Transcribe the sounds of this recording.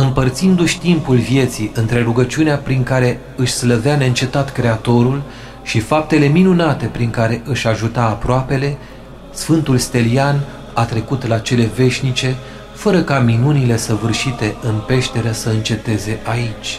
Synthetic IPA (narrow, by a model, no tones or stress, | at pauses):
ɨmpərt̪sind̪uʃʲt̪impulvje̞t̪siʔɨnt̪ɾe̞ɾuɡət͡ʃiuneapɾiŋkaɾe̞ | ɨʃʲsləveaneɨnt͡ʃe̞t̪at̪kɾe̞at̪o̞ɾul | ʃifap̚t̪e̞le̞minunat̪e̞pɾiŋkaɾe̞ʔɨʃʲaʒut̪aːpɾoape̞le̞ | sfɨnt̪ulst̪e̞lian | at̪ɾe̞kut̪lat͡ʃe̞le̞ve̞ʃʲnit͡ʃe̞ | fəɾəkaminunile̞səvɨrʃit̪e̞ɨnpe̞ʃt̪e̞ɾəsəɨnt͡ʃe̞t̪e̞ze̞ʔait͡ʃʲ